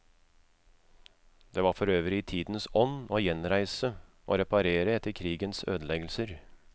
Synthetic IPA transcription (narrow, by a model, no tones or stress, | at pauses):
d̪̥eːʋɑːɾfɔɾøːʋəɾɪɪːt̪ʰiːd̪n̩sɔnoːjɛnɾæɪsəʔo̰ːɾɛpɑɾeːɾəɛt̪ːəɾkʰɾiːɡənsø̰ːd̪əlɛɡəl̩səɾ